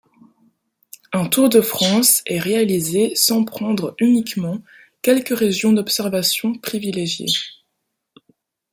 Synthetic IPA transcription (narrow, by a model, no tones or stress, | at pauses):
ɛ̃t̪uʁd̪əfχɑ̃sɛʁealizesɑ̃pχɑ̃d̪ʁynikmɑ̃ | kʲɛlkəʁeʒjɔ̃d̪ɔpsɛʁvasjɔ̃pχivileʒjḛ